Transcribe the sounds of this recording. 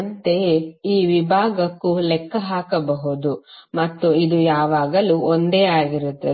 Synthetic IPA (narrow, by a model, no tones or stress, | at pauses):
ɐnt̪e̞iːʋibʱaːɡɐkːulɛkːɐɦaːkɐbɐɦud̪umɐt̪ːuid̪ujaːʋaːɡɐluʔond̪eːaːɡiɾut̪ːɐ